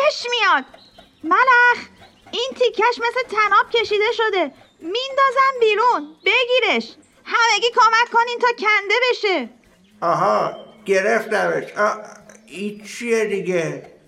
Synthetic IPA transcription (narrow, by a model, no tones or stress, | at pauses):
eʃmijɒːd̪̥̚ | mælæx | iːnt̪ʰikʰːæʃme̞slet̪ʰænɒːb̥̚cʲʰe̞ʃiːd̪e̞ʃo̞d̪e̞ | mind̪ɒːzæmbiːɾunbe̞ɡiːɾeʃ | hæmeɡiːkʰomækʰːo̞niːnt̪ʰɒːcʰænd̪e̞be̞ʃe | ʔɒːɦɒːɡ̥e̞ɾeft̪æbeʃɒ | it͡ʃʰied̪iɡe